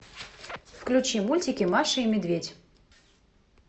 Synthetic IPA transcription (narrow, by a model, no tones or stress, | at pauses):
fklʲʊt͡ɕimulʲtʲɪkʲɪmaʂɨimʲɪd̪vʲedʲ